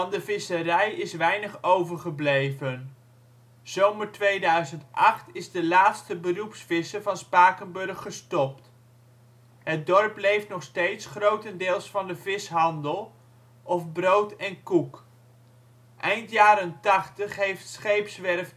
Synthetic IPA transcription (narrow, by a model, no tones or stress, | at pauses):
ɑndəvɪsəɾɛjɪsʋɛjnəχowvəɹχəblejvən | z̥owməɹtʋejdœɥzəntʔɑχtɪzdəlaːtstəbərupsfɪsəɹvɑnspaːkənbɵrχːəstɔpt | ɦəd̚dɔɹplejftnɔχstejtsχrowtəndɪːlˠsfɑndəvɪsɦɑndəlˠ | ʔɔfbrowtɛnkuk | ʔɛjntjaːɾəntɑχtəχɦejftsχejpsʋɛɹf